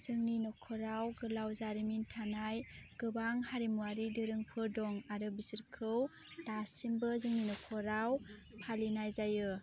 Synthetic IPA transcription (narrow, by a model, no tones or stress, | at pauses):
z̥ɯŋninɔkʰɔɾawɡɯlawzaɾimintʰanajɡ̥ɯbaŋhaɾimuaɾidɯɾɯŋpʰɯdɔŋaɾɯbisiɾkʰɯw | d̥asimbɯzɯŋninɔkʰɔɾaw | pʰalinajzajɯ